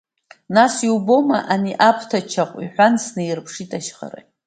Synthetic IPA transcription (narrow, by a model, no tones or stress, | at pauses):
nasiwbo̞maʔaniʔapʰtʰat͡ʃʰaqʷʼiħʷansnɨjrpʰʂitʼaʃχa̰ɾa̰j